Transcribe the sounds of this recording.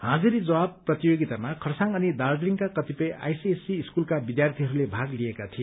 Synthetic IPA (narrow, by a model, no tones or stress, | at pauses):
ɦãd͡zuɾid͡zʌwabprʌt̪ijoɡit̪amakʰʌrsaŋʌnid̪ard̪liŋkakʌt̪ipʌjʔa̰jsiesiːskulkabid̪jart̪ʰiɦʌɾulebʱaɡlijekat̪ʰije